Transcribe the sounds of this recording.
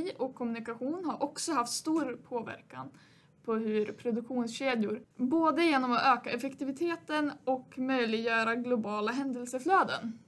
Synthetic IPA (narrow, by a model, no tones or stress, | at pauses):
ɔkʰːɔmɵnɪkaɧuːnhaɾʔɔksɔhaft̪st̪uːɾpʰoːvæ̰ɾka̰n | pʰɔɦɵɾpʰɾʊd̪ɵkɧuːnsɕeːd̪jʊɾboːd̪əjeːnɔmɔʔøːkaɛfɛkt̪ɪvɪt̪ʰeːt̪ənɔkmœjlɪɡjœːɾaɡlʊbɑːlaɦɛnd̪əlsəfløːd̪ə̰n